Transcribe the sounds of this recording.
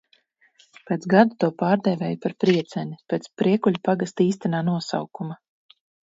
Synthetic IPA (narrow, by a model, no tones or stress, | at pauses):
peːt̪sɡad̪ut̪uɔpaːɾd̪ɛvʲɛːjpaɾpɾiɛt̪sɛnʲipʲeːt̪spɾiɛkuʎʲupaɡast̪iːst̪ɛnaːnuɔsa̰wkuma